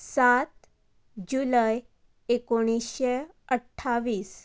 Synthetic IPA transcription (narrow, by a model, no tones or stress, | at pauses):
sat̪ | d͡ʑuləj | ekoɽ̃isɕe | əʈʰːaʋiːs